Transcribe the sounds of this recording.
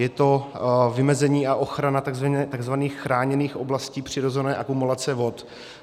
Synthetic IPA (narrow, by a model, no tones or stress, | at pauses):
jɛt̪o̞vɪmɛzɛɲiːaʔo̞xɾanat̪aɡzvaɛt̪aɡzvaniːxxɾaːɲɛniːxʔo̞blasciːpr̝̥ɪɾozɛnɛːʔakumulat͡sɛvo̞t̪